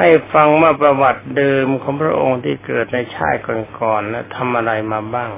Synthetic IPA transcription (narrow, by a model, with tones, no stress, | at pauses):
ha˥˩jfa˧ŋwaː˥˩pɾa˧wa˨˩t̪̚dɤː˧mkʰɔː˩˦ŋpʰɾa̰˦˧˥ʔo˧ŋt̪ʰiː˥˩kɤː˨˩t̪̚na˧jt͡ɕʰa̰ː˥˩t̪̚kɔː˨˩nkɔː˨˩nːa˦˥˩t̪ʰa˧mʔa˧ɾa˧jmaː˧baː˥˩ŋ